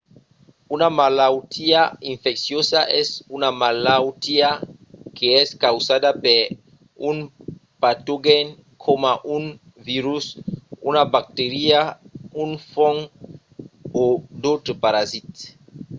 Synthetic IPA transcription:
unamalawt̪ʰiaĩɱfɛksjosaʔɛsunamalawt̪ia | kʰeɛskawzad̪apeɾ | uŋpat̪oɡɛŋ | kʰomaʔuŋ | viɾusunabak̚t̪eɾiauŋfoŋ | od̪owt̪ɾepaɾazit̪

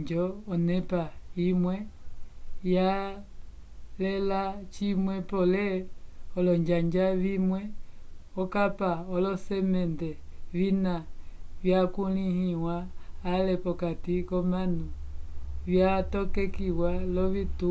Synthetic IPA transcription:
d͡ʒɔːnɛpaimwɛ | ja | lɛlat͡ʃimwɛpɔlɛɔlɔɲd͡ʒaɲd͡ʒaβimwɛɔkapaɔlɔsɛmɛndɛβinaβjakulihiwaːlɛpɔkatikɔmanu | βjatɔkɛkiwalɔβitu

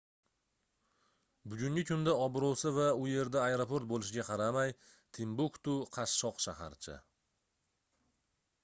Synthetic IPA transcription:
bʊɡʲʊŋʲɪkʲʰʊnd̪aɒbɾowsɪvaʊje̞ɾd̪aːeɾopo̞ɾt̪̚bolɪʃɪɡʲaqʰɑɾamaj | t̪ʰɪmbʊkt̪ʊqʰɑʃːɒqʃaha̰ɾt͡ʃʰɪ̰

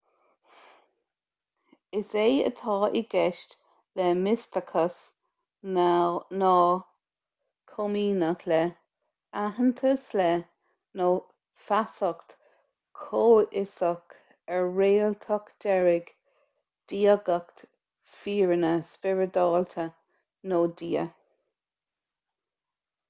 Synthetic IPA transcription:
ɪseːə̰t̪ʰɑːʔɪɡɛʃt | lɛmɪst̪əkʰəs | nɔː | kʰomiːnəklɛ | aɦənt̪ʰəslɛ | noː | fasɔkt̪ | kʰoːʔɪsɔk | ɛɹeːlt̪ʰɔkd̥ɛɹɪɡ | d̥iːəɡəkt̪ | fiːɹənəspɪɹəd̪ɑːlt̪ʰə | noːd̪iːə

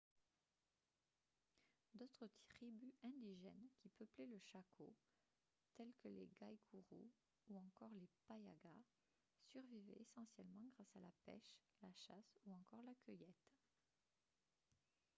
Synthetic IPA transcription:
d̪ot̪χət̪χibyɛ̃d̪iʒɛnkʲipəplɛləʃakʰo | t̪ɛlkəlḛɡajkʰuʁṵ | uɑ̃kɔʁlepaja̰ɡa | syʁvivɛ̰esɑ̃sjɛlmɑ̃ɡʁasalapɛ̰ʃlaʃasuɑ̃kɔʁlakʲœjɛt̪

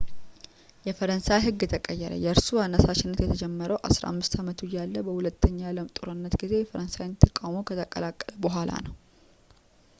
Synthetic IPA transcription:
jɛfəɾənsajɦɨɡːɛt̪ʰəkʼəjːɛɾə̰jɛɨɾsuanːəsaʃɪnːət̪jɛt̪ʰəd͡ʒɛmːəɾəwʔa̰sɾa̰mːɨst̪ʰamət̪ʰujalːəbəhulət̪ʰːəɲːaləmt̪ʼuɾɨnːət̪ɡize̞jɛfəɾənsajɪnt̪ʰəkʼawmokʰət̪ʰəkʼəlakʼːələbəɦʷalʔa̰nəw

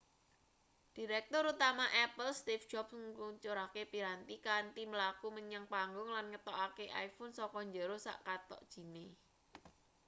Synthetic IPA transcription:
d̥i̤ɾɛk̚t̪ʊɾut̪amaʔɛpəlst̪ifd̥d͡ʒɔpskuɲt͡ʃoɾakepiɾant̪ikant̪iməlakuməɲəŋpaŋɡʊŋlanŋət̪ɔʔakeʔa̰jfʊnsɔkɔɲd͡ʒəɾosa̰ʔkat̪ɔ̰ʔd̥ʒ̥i̤ne

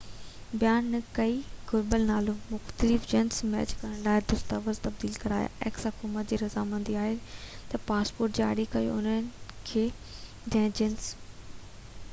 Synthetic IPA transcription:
bjaːnkɐiɡʊɾbəlnaːlomʊxt̪əlɪfd͡ʑɪnsmɛ̰ːt͡ɕkɐɾə̃ɽ̃ɖaːɦed̪ʊst̪əʋəɾzt̪ɐb̚d̪iːlkɐɾaːja̰ʔɛ̰ːksɐkumət̪d͡ʑiːɾɐzamə̃nd̪iaːɦet̪ɐpaːspoːɾʈ̚d͡ʑia̰ːɽikɐjo̰ʊnəkʰeː | d͡ʑɐ̃ːɪ̃d͡ʑɪns

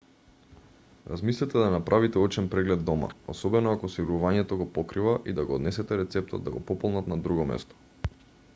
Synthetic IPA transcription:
ɾa̰zmislɛt̪ɛd̪anapɾʔavit̪ɛɔt͡ʃɛnpɾɛɡlɛd̪ːɔma̰osɔbɛnɔakɔsiɾuvaɲɛt̪oɡɔpɔkɾivaʔid̪aɡoːd̪nɛsɛt̪ɛɾɛt̪sɛp̚t̪o̰d̪d̪a̰ɡɔ̰pɔpɔlˠnat̪nad̪ɾuɡɔmɛ̰st̪ɔ̥

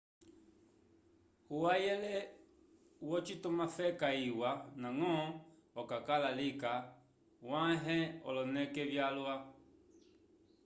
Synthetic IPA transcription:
uwajɛlɛ | wɔt͡ʃitɔmafɛkaiwanãŋɔ | ɔkakalalika | wãɦɛɔ̰lɔnɛkɛvjalwa

